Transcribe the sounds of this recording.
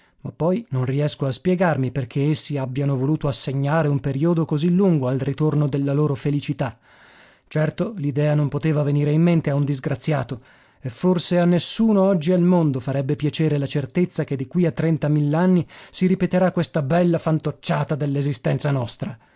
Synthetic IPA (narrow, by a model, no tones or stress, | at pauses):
mapːɔjnonriɛskoaspjɛɡarmiperk̟ʰeesːiabːjanovoluːt̪oasːeɲːaːɾeumpeɾiod̪okozilːuŋɡoalrit̪ornod̪elːaloːɾofelit͡ʃit̪a | t͡ʃɛrt̪olid̪ɛːanompot̪eːvaveniːɾeimːent̪eaund̪izɡɾat̪sːja̰ːt̪o | efːorseanːesːuːnoɔd͡ʒːialmond̪ofaɾɛbːepjat͡ʃeːɾelat͡ʃert̪et̪sːak̟ed̪ːikwiat̪ːɾɛnt̪amilːeanːisiɾipet̪eɾakwest̪abɛlːafant̪ot͡ʃːaːt̪ad̪elːezist̪ɛnt̪sanɔst̪ɾa